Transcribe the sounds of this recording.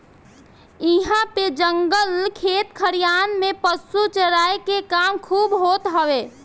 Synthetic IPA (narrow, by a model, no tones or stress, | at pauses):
iɦãped͡ʒəŋɡəlkʰet̪kʰəɾijanmepəsut͡ʃəɾaekekamkʰubɦot̪ɦəwe